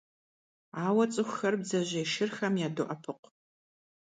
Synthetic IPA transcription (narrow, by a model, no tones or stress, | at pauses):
aːwɐt͡sʼɨxʷxɐrbzɐʑɐjʃɪrxɐmjaːdʊʔɐpʰɨqʷ